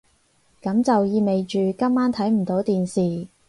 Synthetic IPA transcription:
kɐ˨˥mt͡sɐ˨wjiː˧me˨jt͡ʃyː˨kɐ˥mːaː˥nt̪ʰɐ˨˥jm̩˨˩t̪o˨˥wt̪iː˨nsiː˨

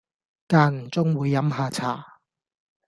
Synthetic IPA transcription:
kaː˧n̩˨˩t͡sʊ˥ŋwuː˨˧jːɐ˨˥mɦaː˧t͡sʰa̰ː˨˩

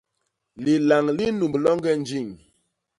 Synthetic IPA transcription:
li˨la˨ŋli˦nu˨mblɔ˦ŋɡɛ˦n̩˦d͡ʒi˦˨ŋ

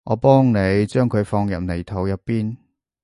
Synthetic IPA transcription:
ʔɔː˨˧pɔː˥ŋne˨˧jt͡ʃœː˥ŋkʰɵ˨˧ɥfɔː˧ŋjɐ˨m̚ne˨˩jt̪ʰɐ˨˥wjɐ˨˥t̚piː˥n

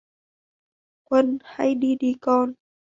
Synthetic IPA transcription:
kwə˧˥˨nha˧˩jdiː˧diː˧kɔː˧n

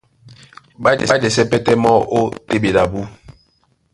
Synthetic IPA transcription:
ba˦d͡ʒɛ̰˨˦d͡ʒɛ˨sɛ˦pɛ˦tɛ˦mɔ˦o˦te˦be˨la˨bu˦

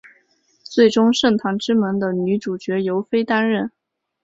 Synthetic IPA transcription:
t͡swe˥˩ɪʈ͡ʂʊ˥ŋʂɤ˥˩ŋt̪ʰɑ˧˥ŋʈ͡ʂɻ̩˥mə˧˥nd̪ə˧ny˧˥ʈ͡ʂu˨˩t͡ɕɥɛ˧˥jo˧˥ʊfe˥ɪt̪a˥nɻə˥˩n

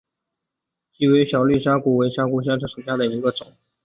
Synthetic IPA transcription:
t͡ɕi˥˩we˧˥ɪɕjɑ˨˩ʊly˥˩ɕ̬ja˥ku˨˩we˧˥ɪɕja˥ku˧˥˩ɕ̬ja˥ʈ͡ʂʰɤ˧˥ʂu˨˩ɕja˥˩d̪ə˨˩i˧˥ɡə˧t͡sʊ˨˩˦ŋ

